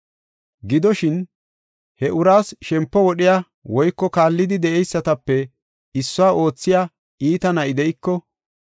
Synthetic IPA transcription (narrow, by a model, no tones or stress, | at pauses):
ɡɪd̪ɔʃɪn | hɛʔʊɾaːsʃɛmpːɔwɔɗɪja | wɔjkːɔkaːlːɪd̪ɪd̪ɛʔɛjsːɐt̪ɐpːɛ | ɪsːʊwaːʔo̞ːt͡sːɪjaː | iːt̪ɐnɐɪd̪ɛɪkːɔ